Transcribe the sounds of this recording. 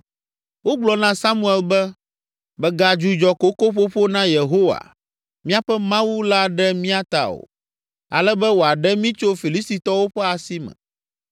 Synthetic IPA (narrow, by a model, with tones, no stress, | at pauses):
wo˦ɡ͡blɔ˨nã˦sa˦mũ˦ɛ˨lbɛ˦ | bɛ˨ɡa˨d͡ʒu˨d͡ʒɔ˨ko˦ko˦ɸo˦ɸo˦nã˦je˨ɦo˦wa̰˨ | mĩ˦a˦ɸɛ˦mã˦wu˦la˦ɖɛ˦mĩ˦a˦t̪a̰˨o̰˨ | a̰˨lɛ˦bɛ˦wo˨a˨ɖɛ˦mĩ˦t͡ʃo˦fi˨li˦st̪i˨t̪ɔ˦wo˦ɸɛ˦a˨si˦mɛ̰̃˨